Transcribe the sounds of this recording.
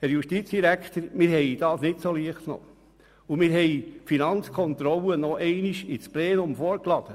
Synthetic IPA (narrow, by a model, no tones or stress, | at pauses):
hæɾjuʃtit͡sd̥iɾækt̪əɾmɪɾhɛɪd̥ɑːsnɪtsoliəχtno̰ | umɪɾɦɛɪfinɑnt͡skʰɔnt̪ɾɔlənɔʔɛɪniʃit͡splɛːnʊmfɔːɾklɑd̥̪ə